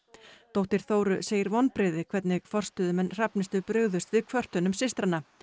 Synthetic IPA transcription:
t̪owht̪ɪɾ̥θoːwɾʏseːjɪɾvɔnːpɾɪðɪkʰvɛt̪nɪɣfɔr̥st̪ʏːðʏmɛnr̥apnɪst̪ʏpɾʏɣðʏst̪vɪðkʰvœr̥t̪ʏnʏmsɪst̪ɾanːa

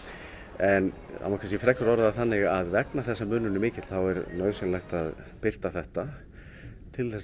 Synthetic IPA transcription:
ɛn | a̰maɾkʰanscɛfɾɛkʏɾɔɾðaθanːɪɣaðvɛknaθɛsːamʏːnːʏnʏmɪːcɪt̪l̥θawɛɾnœɥðsɛnlajxt̪að | pɪr̥t̪aθɛht̪a | t̪ʰɪlθɛs

